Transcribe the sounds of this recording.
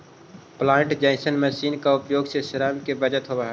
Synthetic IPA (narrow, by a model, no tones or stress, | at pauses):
plãːɳʈd͡ʒaɪsənmɛsiːnkaʊpjoːɡseʃəɾaːmkebəd͡ʒət̪ɦobaɦɛ